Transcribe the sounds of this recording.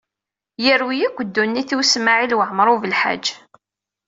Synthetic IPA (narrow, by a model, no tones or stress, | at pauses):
jəɾwijikʷːəd̪ːunːiθiwsmaʕilwəʕəmɾˤuvəlħa̰d͡ʒː